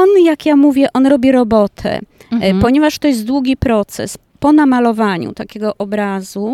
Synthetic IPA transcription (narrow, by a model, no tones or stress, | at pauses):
ɔnjakjamuvʲjɛʔɔnɾɔbʲiɾɔbɔt̪ʰɛ̰ | pɔɲɛvaʂt̪ɔjɛst̪̚d̪wuɡʲipɾɔt̪sɛ̰s | pɔnamalɔvaɲṵt̪akʲɛɡɔʔɔbɾazu